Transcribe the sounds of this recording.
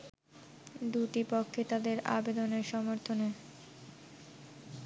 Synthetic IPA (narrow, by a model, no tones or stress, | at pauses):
d̪uʈipokʰːet̪ad̪eɾa̰bed̪oneɾʃɔmoɾt̪ʰone